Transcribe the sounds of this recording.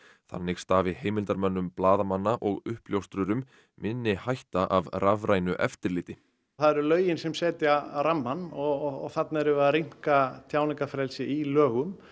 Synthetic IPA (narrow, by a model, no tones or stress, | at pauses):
θa̰nːɪɣst̪aːvɪheːjmɪlt̪aɾmœnːʏmplaːðamanːaʔɔɣʏhpljowst̪ɾʏɾʏm | mɪnːɪhajht̪aʔavravɾajnʏʔɛ̰ft̪ɪɾlɪːt̪ɪ | θaðɛɾʏlœːɥjɪnsɛmsɛːt̪ɪaaɾamːanɔɔθat̪naɾɛvʏaɾiŋ̥kat̪ʰjaːwnɪŋkafɾɛlsɪilœːɣʏm